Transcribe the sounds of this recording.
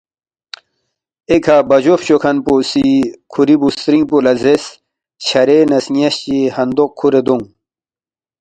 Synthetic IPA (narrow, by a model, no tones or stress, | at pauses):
ekʰabɐd͡ʑofɕokʰɐnposikʰuɾibust̪ɾiŋpulɐzes | t͡ɕʰɐɾenɐsŋijɐɕt͡ɕihɐnd̪oq̚kʰːuɾed̪uŋ